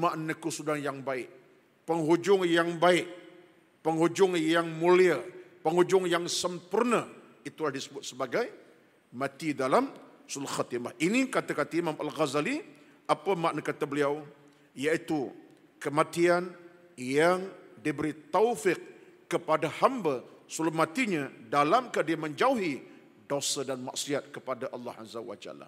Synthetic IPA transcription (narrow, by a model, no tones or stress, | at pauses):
maʔnəkusudaŋjaŋbaɪʔ | pəŋɦud͡ʒʊŋjaŋbaɪʔ | pəŋɦud͡ʒʊŋjaŋmuliəpəŋhud͡ʒʊŋjaŋsəmpʊrnə | it̪ulahdisəbʊt̪̚səbaɡaj | mãt̪idalamsʊlxat̪imahʔinikat̪akat̪əimamʔalɣazali | ʔapəmaʔnəkat̪əbəliaw | jait̪u | kəmat̪ian | jaŋdibəɾit̪awfɪk̚kːəpadahambasulumat̪iɲədalamkadiəməɲd͡ʒauɦi | dosədanma̰ʔsiat̪̚kəpadaʔɑlːɑ̰ha̰zawa̰d͡ʒa̰la̰